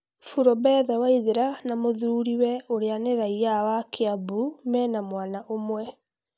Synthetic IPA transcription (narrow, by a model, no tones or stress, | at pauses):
fuɾɔbɛðawaiðeɾanamoðuɾiwɛoɾeaneɾaiawakʰeabumɛːnamwaːnaʔomwɛ